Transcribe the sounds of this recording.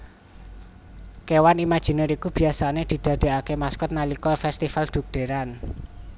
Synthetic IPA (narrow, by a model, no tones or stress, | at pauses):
kewanimad̥ʒ̥i̤nəɾikub̥i̤asaned̪̥i̤d̪̥a̤d̥e̤akemaskʊt̪̚nalikɔfɛst̪ifald̪̥ṳk̚d̪̥e̤ɾan